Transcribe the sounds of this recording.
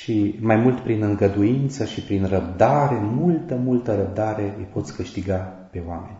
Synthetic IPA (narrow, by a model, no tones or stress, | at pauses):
ʃimajmult̪pɾinɨŋɡəd̪uint̪səʃipɾinrəb̚d̪aɾe̞mult̪əmult̪əɾəb̚d̪aɾe̞ɨjpo̞t̪sʲkɨʃt̪iɡa | pe̞oame̞̰nʲ